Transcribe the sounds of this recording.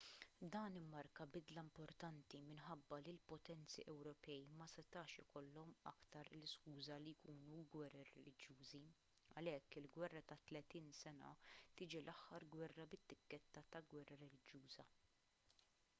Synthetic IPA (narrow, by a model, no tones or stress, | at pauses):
d̪ɐːnɪmːɐɾkɐbɪd̪lɐmpɔɾt̪ɐnt̪imɪnħɐbːɐlilpɔt̪ɛnt͡sḭʔɛwɾɔpɛjmɐsɛt̪ɐːʃɪkɔlːɔmɐ̰kt̪ɐɾlɪskuːzɐlijkuːnuɡwɛrːɐrɛ̰lɪd͡ʒjuːzi | ɐlɛkːɪlɡwɛrːɐt̪ɐt̪lɛt̪iːnsɛnɐ̰t̪ɪːd͡ʒilʔɐħːɐɾɡwɛrːɐbɪt̪ːɪkːɛt̪ːɐt̪ɐɡwɛrːɐɾɛlɪd͡ʒjuːzɐ